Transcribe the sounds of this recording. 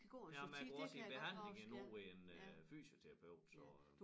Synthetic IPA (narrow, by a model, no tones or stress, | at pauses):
jæmænʁuɐsinb̥e̝ɦæn̰le̝ŋinuːʁienfy̰ːɕot͡sʰeɐ̈pʰeʊ̰d̥sɒ